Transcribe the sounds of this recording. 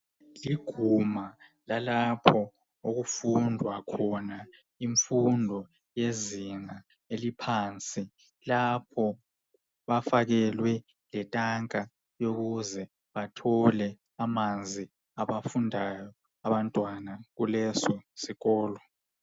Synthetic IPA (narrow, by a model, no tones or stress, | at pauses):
liɡ̥ʱumalalapʰɔ | oɣufundʱwakʰɔna | iɱfundʱɔ | jeziŋa | elipʰaːnt͡sʼi | lapʰɔ | βafaɣɛlwɛ | lɛtʼaŋkʼa | joɣuzɛ | βatʰɔlɛ | amand͡zʱi | aβafundʱajɔ | aβantʼwanaɣulɛsɔsiɣɔːlɔ